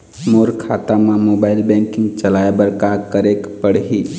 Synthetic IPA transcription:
moːɾkʰaːt̪amãmoːbaːɪlbɛ̃ŋkɪ̃ŋɡt͡ʃəlaebəɾkakəɾekpəɽɦi

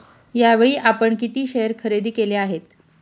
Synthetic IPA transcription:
jaʋeɭiːʔapəɳkit̪iːɕeəɾkʰəɾed̪iːkeleaɦet̪

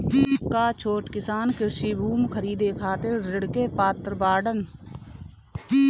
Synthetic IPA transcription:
kaːt͡ʃʰoːʈkɪsaːnkɪɾʃibʱuːmkʰəɾiːd̪ekʰaːt̪ɪɾɾɪɽkepaːt̪ɾbaːɖən

